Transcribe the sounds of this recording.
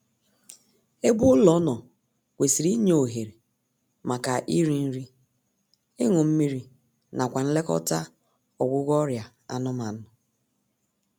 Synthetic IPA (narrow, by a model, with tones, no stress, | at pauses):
e˦ɡ͡bʊ˦lɔ˦nɔ˨ | kʷe˨si˨ɾi˦ɲ˦o˨ɦe˨ɾe˨ | ma˨ka˨ʔi˦ɾi˦n̩˦ɾi˦ | ɪ˦ŋʊ˨m̩˦mi˦ɾi˦ | na˨kʷa˨n̩˦le˦kɔ̰˦ta˦ | ɔ˨ɡʷʊ˦ɣɔ˦ɾja˨ | a̰˨nɔ˦ma˨n̩˦ʊ˨